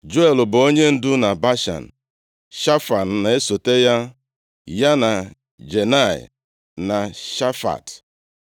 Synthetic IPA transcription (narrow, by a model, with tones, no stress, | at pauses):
d͡ʒo˦e˨lʊ˨bʊ˨o˦ɲe˦n̩˦dʊ˦na˨ba˦ʃa̰˨n̩˨ | ʃa˦fa˨n̩˨na˨e˦so˨te˦ja˦ | ja˦na˨ | d͡ʒe˨na˦˨ɪ̰˨ | na˨ʃa˦fa̰˨t